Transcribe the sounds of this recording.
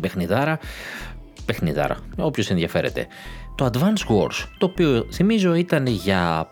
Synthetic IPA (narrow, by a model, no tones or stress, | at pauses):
be̞xniðɐɾɐ | pe̞xniðɐ̰ɾɐ̰o̞pço̞se̞nðʝɐfe̞ɾe̞̰t̪e̞̰ | t̪o̞ɐd̪vɐnsɣo̞ɾst̪o̞ːpioθimizo̞it̪ɐnʝɐ